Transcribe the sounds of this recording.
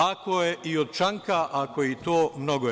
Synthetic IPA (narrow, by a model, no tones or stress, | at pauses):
akojeʔiod̪̚t͡ʃaŋkaʔakoit̪o̞ːmnoɡo